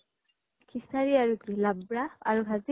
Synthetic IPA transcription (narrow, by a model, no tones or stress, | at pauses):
kʰisaɾiaɾukilabɾaaɾukazi